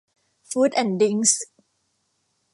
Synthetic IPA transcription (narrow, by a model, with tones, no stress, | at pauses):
fuː˦˥t̪ʔɛ˨˩ndi˧˦˥ŋs